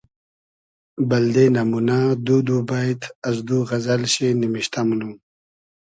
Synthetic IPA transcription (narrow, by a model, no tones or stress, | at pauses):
bald̪enamunad̪ud̪ubajt̪ʰazd̪uɣazalɕinimiɕt̪amunum